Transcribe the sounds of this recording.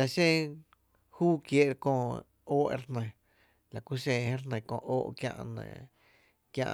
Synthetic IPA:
a˨ʃẽ˦ | huː˦kje˦ʔɾkõː˧˨ | oː˦ʔḛ˧˦ɾnə̃˧˨ | la˨ku˦ɕẽ˧hẽ˦ɾnə̃˧˨kõ̰˧˨ʔoː˦ʔkjã̰˧ʔnḛ̃˨ | kjã̰˧ʔ

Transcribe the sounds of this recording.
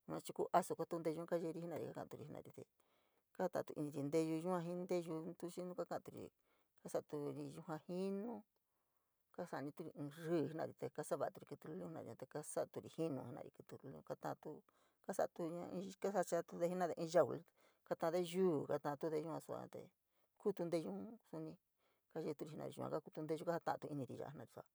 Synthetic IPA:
u˧ã˧t͡ʃi˧ku˦ʔa˦so˧ka˧˦t̪u˧nd̪e˧u˧˦ka˦ʒe˧ɾi˧˦i˦nã˧ɾḭ˧ka˦kã˧˨t̪u˧ɾi˧˨i˧nã̰˧ɾi˧t̪ḛ˧ | ka˦t̪ã̰˧˨˧t̪ṵ˧ʔi˧nĩ˧ɾi˧nd̪e˦˧ʒu˧ʒũ˦ã˧ɦĩ˦nd̪e˦ʒu˧t̪u˦ʃi˦nũ˦ka˦kã˧˨t̪u˧ɾḭ˨ | ka˦sa˧t̪u˧ɾi˧ju˧ɦã˧hi˦nũ˦ | ka˦sa˧nĩ˧t̪u˦ɾi˧ɨ̃˧rɨː˦˨hi˦nã̰˧˨ɾi˨˧t̪e˧ka˦sa˦βa˧˨˧t̪u˧ɾi˧ku˧t̪u˧lũ˧˦i˧nã̰˧˨ḭ˧ã˧t̪e˧ka˦sa˦ʔt̪u˧ɾi˧hi˦nũ˧˨i˧nã̰˧ɾḭ˧kɨ˧t̪u˧lu˧l̰̃ka˦t̪ã˧t̪u˧ | ka˦sa˦ʔt̪u˧ɲã˧ĩ˧ka˦sa˧t͡ʃa˧t̪u˧ðe˧hi˦nã˦ðe˧ʔĩː˧ʒa˧˨wṵ˧˨l | ka˧t̪ã˧ðe˦ʒuː˦˨ka˦t̪ã˧t̪u˦ðe˧ʒu˦hã˧su˧a̰˧t̪ḛ˧ | ku˦t̪u˧nd̪e˦˧ʒũ˦su˧nĩ˧ | ka˦ʒe˧t̪u˧ɾi˧˨i˧nã̰˧ɾi˨˧ṵ˧ã̰˧ka˦ku˧t̪u˧nd̪e˦˧ʒu˦ka˦ha˧˦t̪ã̰˧ʔt̪u˧i˧nĩ˧ɾḭ˧a̰˧˦nã˧ɾi˧su˧a˧˨

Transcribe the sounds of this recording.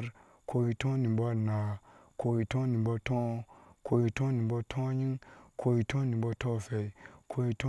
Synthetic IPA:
ɾ | kʰo˧ji˧tɔ̃˦nĩ˨bɔ˦˨na˨kʰo˧ji˧tɔ̃˦nĩ˨bɔ˧tɔ̃˦˧ko˧ji˧tɔ̃˦nĩ˨bɔ˧tʰɔ̃˦ɲĩ˦kʰo˧ji˧tʰɔ̃˦nĩ˨˦bɔ˧tɔ̃˦˨fɛ˧˨i˨kʰo˧ji˧tɔ˦

